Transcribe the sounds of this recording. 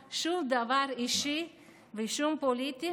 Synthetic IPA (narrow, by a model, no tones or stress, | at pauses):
ʃuld̪avaɾiʃi | viʃumpolit̪i